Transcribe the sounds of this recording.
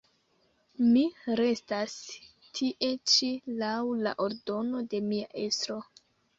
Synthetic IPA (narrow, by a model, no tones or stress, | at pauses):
miɾe̞stas | tʰiʔe̞t͡ʃilawla̰ʔo̞ɾdo̞no̞de̞miaʔe̞stɾo̞